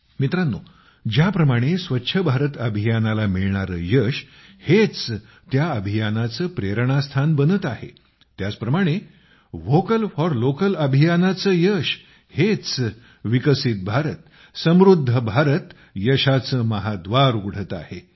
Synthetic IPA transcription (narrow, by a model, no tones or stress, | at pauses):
mit̪ɾanːu | d͡ʑjapɾəmaɽ̃esʋətːɕʰəbʱaɾət̪əbʱijanalamiɭɳaɾə̰ːjəɕhet͡s | t̪jaəbʱijanat͡səːpɾeɾəɳ̃ast̪ʰanbənət̪ahḛ | t̪jat͡spɾəmaɽ̃e | ʋokəlfɔɾlokələbʱijanat͡səjəɕ | het͡s | ʋikəsit̪̚bʱaɾət̪ | səmɾud̪ʱːəbʱaɾət̪ | jəɕat͡səməɦad̪ʋaɾuɡɽ̤ət̪a̰he